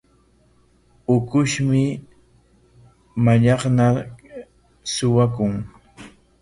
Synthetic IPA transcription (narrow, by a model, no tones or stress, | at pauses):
ʊkʊʃmɪ | maʎɑχna | sʊwakʊŋ